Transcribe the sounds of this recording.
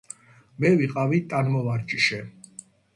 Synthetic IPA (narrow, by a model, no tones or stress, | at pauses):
mɛviqʼavit̪ʼanmɔvaɾd͡ʒʼiʃɛ